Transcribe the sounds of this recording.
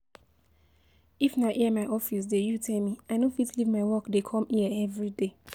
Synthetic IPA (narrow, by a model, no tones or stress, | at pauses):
ifnaʔiəmaʔɔfis̬dejutʰɛlmiaɪnõfitlivmaɪwɔkdekʰɔ̃miəɛvɹide